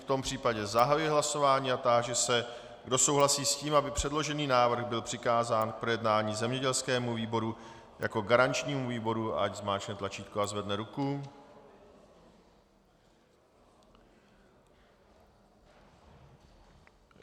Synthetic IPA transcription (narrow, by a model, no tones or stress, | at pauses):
ft̪o̞mpr̝̥iːpaɟɛzaɦajujɛɦlaso̞vaːɲiːat̪aʒɛsɛ | ɡdo̞so̞wɦlasiːsciːmʔabɪpr̝̥ɛdlo̞ʒɛniːnaːvr̩ɣbɪlpr̝̥ɪkaːzaːnk̚pɾo̞jɛdnaːɲiːzɛmɲɛɟɛlskɛːmuviːbo̞ɾujʔa̰ko̞ɡaɾant͡ʃɲiːmuviːbo̞ɾua̰ɟzmaːt͡ʃnɛt̪lat͡ʃiːt̪kuazvɛdnɛɾuku